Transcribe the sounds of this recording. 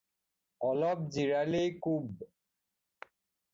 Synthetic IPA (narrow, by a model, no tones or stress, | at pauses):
ɔlɔb̚d͡ʑiɹalejkub